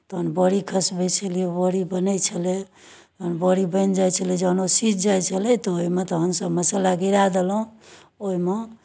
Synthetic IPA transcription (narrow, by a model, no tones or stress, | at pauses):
t̪ɔɦənbəɽikʰəsbet͡ʃʰəliebəɽibənəjt͡ʃʰəle | t̪ɦənbəɽibənd͡ʒajt͡ʃʰəled͡ʒəɦnosit͡ʃʰd͡ʒajt͡ʃʰəlɛt̪ɔoimet̪ɔɦəmsəbməsəlaɡiɾad̪elũ | oime